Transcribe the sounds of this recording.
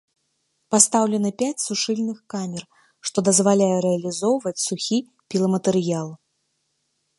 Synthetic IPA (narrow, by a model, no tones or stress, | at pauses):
past̪awlʲɛnɨpʲat͡sʲsuʂɨlʲnɨxkamʲɛr | ʂt̪ɔd̪ɐzvalʲajɛɾɛɐlʲizɔwvɐt͡sʲsuxʲi | pʲilˠɐmɐt̪ɨɾɨjalˠ